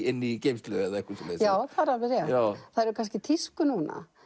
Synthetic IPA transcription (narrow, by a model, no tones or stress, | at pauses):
ɪnːicejmst̪lʏɛðaɛhkʏsɔlesjaːwθʰaðɾavɪɾjɛaθaðɾʏkʰanscɪt̪ʰiskʏnuːna̰